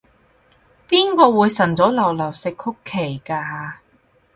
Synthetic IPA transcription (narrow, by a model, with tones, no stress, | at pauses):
piː˥nkɔː˧wuː˨˧jsɐ˨˩nt͡sɔː˨˥lɐ˨˩wlɐ˨˩wsɪ˨kʰʊ˥kʰːe˨˩jkaː˧